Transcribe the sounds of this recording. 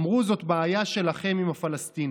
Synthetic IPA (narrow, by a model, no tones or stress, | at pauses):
mʁuzo̞t̪baːjaʃe̞laχe̞mimafalast̪in